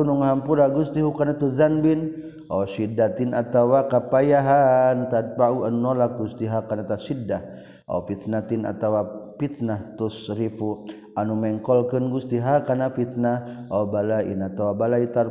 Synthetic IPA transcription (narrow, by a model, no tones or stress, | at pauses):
unuŋɦampuɾaɡust̪iɦukanat̪uzanbin | ʔɔsidat̪inat̪awakapajaɦant̪ad̪̚pauanunolak̚ɡust̪iɦakanat̪asidːah | ɔ̰fit̪nat̪ina̰t̪awapit̪naht̪usɾifu | ʔanumɛŋkɔlkənɡust̪iɦakanafit̪̚naɔbalaḭnat̪awabalait̪ar